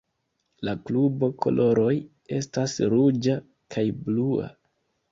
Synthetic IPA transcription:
laklubo̞kʰo̞̰lʔo̞ɾo̞j | e̞stasɾud͡ʒa | kʰajblua̰

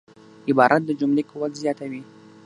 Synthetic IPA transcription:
ɪbɑɾʔat̪̚d̪əd͡ʒʊmlekowalzjɑt̪awi

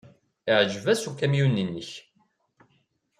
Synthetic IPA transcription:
ɪʕʒvæsukæmjunːənːəç

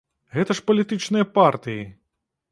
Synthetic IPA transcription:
ɣɛt̪ɐʂpɐlʲit̪ɨt͡ʂnɨjɐpart̪ɨji

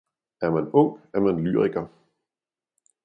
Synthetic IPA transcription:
æɐmænɔ̽ŋ̰̥æɐmænly̰ːʁiɡ̥ɐ

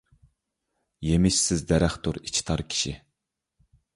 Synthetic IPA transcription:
jemɪʃsɪzd̪ɛɾæχt̪ʊɾit͡ʃʰi̥t̪ʰɑɾkʲʰi̥ʃi

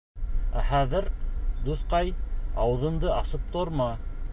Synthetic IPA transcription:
æ̰χæðɘɾd̪uθqɑjɑwɤ̆ðɤ̆nd̪ɤʔɑsɤp̚t̪oɾmɑ

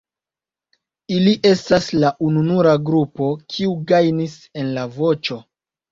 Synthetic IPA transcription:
iliʔe̞staslaʔununuɾaɡɾupo̞kʰiuɡajnise̞nlavo̞t͡ʃo̞

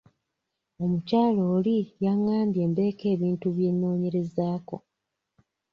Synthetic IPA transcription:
o̞mucaːlo̞ːlijaŋːaːmbje̞ːmbe̞ːke̞ːβiːntuβje̞nːo̞ːɲe̞ɾe̞zaːko̞̰

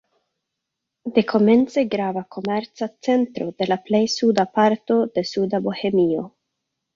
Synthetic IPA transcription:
de̞kʰo̞me̞nt͡se̞ɡɾavakʰo̞meɾt͡sat͡se̞ntɾo̞de̞laple̞jsudapaɾto̞d̥e̞sudabo̞he̞mio̞

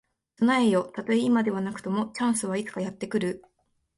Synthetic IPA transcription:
sɨnaejo̞t̪at̪o̞eimad̪e̞β̞anakɯ̟̥t̪o̞mo̞t͡ɕãɰ̃sɨβait͡sɨ̥kajat̪ːe̞kɯ̟ɾɯ̟

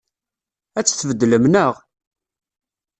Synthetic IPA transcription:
æt͡sːθəvəd̪ːələmnəʁ

